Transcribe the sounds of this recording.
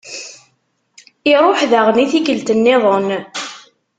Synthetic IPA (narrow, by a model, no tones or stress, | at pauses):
iɾˤoħðaʁəniθikəlt̪ənːɪðˤon